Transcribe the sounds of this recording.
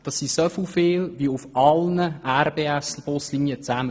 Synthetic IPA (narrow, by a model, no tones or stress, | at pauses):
d̥ɑsisofilfɪːlʋiufɑlnəʔærbeːæsl̩b̥oslinjət͡sæmə